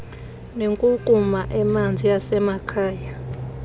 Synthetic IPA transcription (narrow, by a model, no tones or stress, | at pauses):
neŋkʼukʼumaʔɛmand͡zʱijasɛmakʰaːja